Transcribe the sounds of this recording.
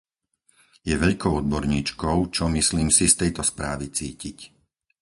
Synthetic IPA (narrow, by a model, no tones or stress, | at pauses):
jɛʋɛʎkɔʊɔd̪̚bɔɾɲiːt͡ʃkɔʊt͡ʃɔmisliːmsist̪ɛjt̪ɔspɾaːʋit͡siːcic